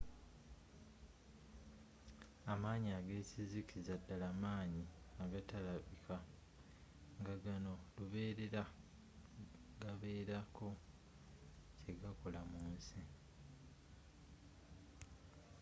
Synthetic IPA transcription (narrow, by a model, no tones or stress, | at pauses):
amaːɲiaɡe̞ːsizikizadːalamaːɲi | aɡatalaβikʰa | ŋɡaɡano̞luβe̞ːɾe̞ɾa | ɡaβe̞ːɾako̞ | ce̞ɡako̞lamuːnsi